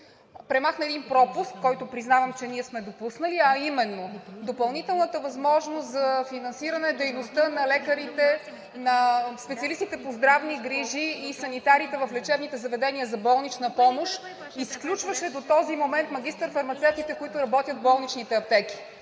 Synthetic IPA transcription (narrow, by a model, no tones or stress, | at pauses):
pɾɛmaxnəɛːd̪inpɾɔpuskkːɔjt̪ʊpɾiznavɐmt͡ʃɛniɛsmɛd̪opusnəliɐimɛnːod̪opɐlˠnit̪ɛlˠnət̪əvɐzmɔʒnost̪zɐfinɐnsiɾɐnɛd̪ɛjnost̪ənɐlɛkəɾit̪ɛ | nɐspɛt̪siəlist̪it̪ɛpozd̪ɾavniɡɾiʒiːsɐnit̪aɾit̪ɛvɐflɛt͡ʃɛbnit̪ɛzɐvɛd̪ɛniəzɐbɔlˠnit͡ʃnəpɔmoʃ | isklʲut͡ʃvəʃɛd̪ot̪ɔzimomɛnt̪mɐɡʲist̪əɾfɐɾmɐt̪sɛft̪it̪ɛkoit̪ʊɾɐbɔt̪jət̪bɔlˠnit͡ʃnit̪ɛɐp̚t̪ɛkʲi̥